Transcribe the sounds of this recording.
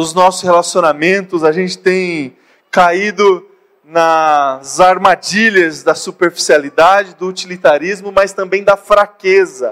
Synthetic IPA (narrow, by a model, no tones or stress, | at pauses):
ʊznɔsʊshelasionamẽnt̪ʊzaʒẽnt͡ʃɪ̥t̪ẽj̃ | kaid̪ʊ | nɐzaɾmad͡ʒiʎɐzd̪ɐsupeɾfi̥sialid̪ad͡ʒɪd̪ʊːt͡ʃilit̪aɾizmʊmɐst̪ɐ̃mbẽj̃d̪ɐfɾakezɐ